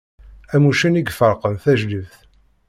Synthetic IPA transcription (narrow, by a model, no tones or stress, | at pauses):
æmuʃəniɡfəɾqəmθæʒləvθ